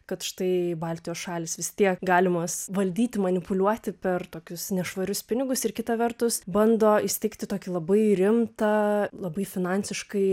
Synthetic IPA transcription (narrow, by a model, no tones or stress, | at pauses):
kɐt̪ʃt̪ɐɪbɑːlʲt̪ʲɪjoːsʃɑːlʲɪsʋʲɪst̪ʲiɛkɡɑːlʲɪmɐsʋɐlʲd̪ʲiːt̪ʲɪmɐnʲɪpʊlʲuɔt̪ʲɪpʲɛrt̪oːkʲʊsnʲɛʃʋɐɾʲʊspʲɪnʲɪɡʊsɪrkʲɪt̪ɐʋʲɛrt̪ʊsbɐnd̪oːɪʃsʲt̪ʲɛɪkt̪ʲɪt̪oːkʲɪlˠɐbɐɪɾʲɪmt̪ɐlˠɐbɐɪfʲɪnɑnʲsʲɪʃkɐɪ